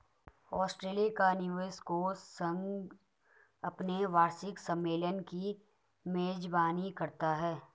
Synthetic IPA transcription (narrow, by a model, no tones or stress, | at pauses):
ɔːsʈɾeːlijakanɪʋəskosɐ̃ŋɡ | ɐpneʋaːɾsɪksɐ̃mːeːlənki | meːd͡ʒbaːnikɐɾt̪aɦɛː